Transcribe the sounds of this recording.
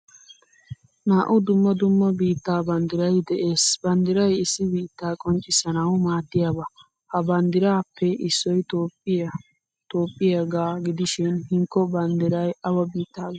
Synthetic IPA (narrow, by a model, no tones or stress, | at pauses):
naːʔʊd̪ʊmːɐd̪ʊmːɐbiːt̪ːaːbɐnd̪ɪɾɐjd̪ɛʔe̞ːsbɐnd̪ɪɾɐjɪsːɪbiːt̪ːaːkʼɔnt͡ʃʼːɪsɐnɐwmaːd̪ːɪjaːbɐ | hɐbɐnd̪ɪɾaːpʰːɛɪsːɔjt̪oː | t̪oːpʼːɪjɐɡaːɡɪd̪ɪʃɪnhɪŋkːɔbɐnd̪ɪɾɐjɐwɐbiːt̪ːaː